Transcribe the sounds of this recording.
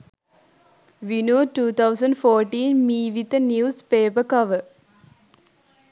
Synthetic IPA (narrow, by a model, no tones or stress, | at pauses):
ʋinuːʈuːt̪ʰɐwsɐ̃ɳɖfoːʈːiːnmiːʋit̪ːɐnjuːspeːpɐkɐʋə